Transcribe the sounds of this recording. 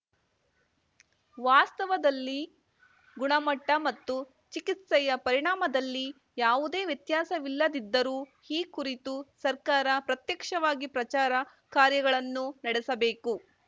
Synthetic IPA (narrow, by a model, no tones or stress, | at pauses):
ʋaːst̪ɐʋɐd̪ɐlːi | ɡuɳɐmɐʈːɐmɐt̪ːu | t͡ʃikit̪sɛjɐpɐɾiɳaːmɐd̪ɐlːi | jaːʋud̪e̞ːʋjɐt̪jaːsɐʋilːɐd̪id̪ːɐɾuːhiːkuɾit̪usɐɾkaːɾɐpɾɐt̪jɐkʂɐʋaːɡipɾɐt͡ʃaːɾɐ | kaːɾjɐɡɐɭɐnːunɐɽɛsɐbeːku